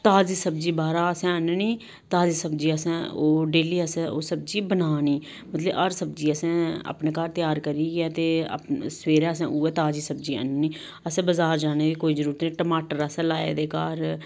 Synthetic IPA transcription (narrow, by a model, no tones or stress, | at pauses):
t̪aːziːsəb̚d͡ʒiːbaːɾaːəsɛ̃ːənniː | t̪aːziːsəbd͡ʒiːəsɛ̃ːoːɖeːliːəsɛ̃ːo̰ːsəb̚d͡ʒiːbənaːniː | mət̪ləbəɾsəb̚d͡ʒiːəsɛ̃ːə̰ːpneːkaːɾt̪ɪjaːɾkəɾiːɡɛːt̪ḛːsʋeːɾɛːəsɛ̰̃ːʔuːɛːt̪aːd͡ʒiːsəbd͡ʒiːə̰nːniː | əsɛ̃ːbəzaːɾd͡ʒaːneːd̪iːkoːiːd͡ʒəɾuːɾət̪nĩːʈəmaːʈəɾəsɛ̃ːlaːḛːd̪eːkaːɾ